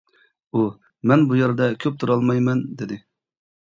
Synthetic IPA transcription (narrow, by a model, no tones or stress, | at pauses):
u | mɛnbujɛɾd̪ɛkʲʰøp̚t̪ʰuɾɑlˠmɑjmɛnd̪ɪd̪ɪ